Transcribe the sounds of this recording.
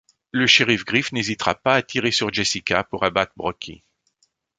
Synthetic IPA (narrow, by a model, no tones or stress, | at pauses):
ləʃeʁifɡʁifnezit̪χʁa̰paːt̪ʰiʁesyʁd͡ʒesikapuʁabat̪χbʁɔkʰʲḭ